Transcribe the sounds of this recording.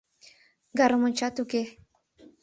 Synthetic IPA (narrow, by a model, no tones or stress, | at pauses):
ɡaɾəmunt͡ʃat̪uke